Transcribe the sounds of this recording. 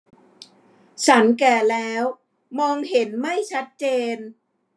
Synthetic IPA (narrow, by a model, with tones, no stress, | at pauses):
t͡ɕʰa˦nkɛː˨˩lɛː˦˥w | mɔː˧ŋɦe˩˦nma˥˩jt͡ɕʰa˦˥t̪̚t͡ɕeː˧n